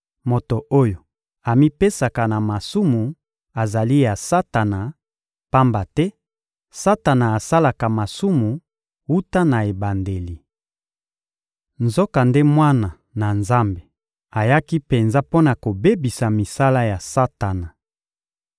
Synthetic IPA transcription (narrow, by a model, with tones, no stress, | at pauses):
mo˨to˨ʔo˦jo˨ | a˨mi˦pe˦sa˨ka˨na˨ma˨su˦mu˨ | a˨za˨li˦ja˨sa˦ta˨na˨ | pa˦mba˨tɛ˦ | sa˦ta˨na˨a˨sa˦la˨ka˨ma˨su˦mu˨ | wu˦ta˦na˨e˨ba˨nde˨li˨ | nzo˦ka˨nde˦mwa˦na˨ | na˨nza˦mbe˨ | a˨ja˦ki˦pe˨nza˦po˦na˨ko˨be˦bi˨sa˨mi˨sa˦la˦ja˨sa˦ta˨na˨